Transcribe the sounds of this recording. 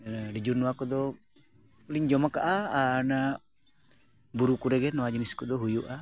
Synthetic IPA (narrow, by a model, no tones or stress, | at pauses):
ɖid͡ʒuɾnɔwakɔd̪ɔ | liɲd͡ʒɔmakaʔaaːna | buɾukuɾɛɡɛnɔwad͡ʒiniskɔd̪ɔɦujuʔa